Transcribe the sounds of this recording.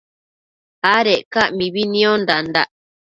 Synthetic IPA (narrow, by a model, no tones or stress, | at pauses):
haɾeʔkaʔmĩβinĩõnd̪and̪aʔ